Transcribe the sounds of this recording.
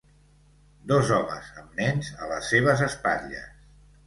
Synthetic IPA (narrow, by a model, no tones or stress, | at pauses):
d̪ɔzɔmə̰zəmnɛnzələsːeβ̞əzəspaʎə̰s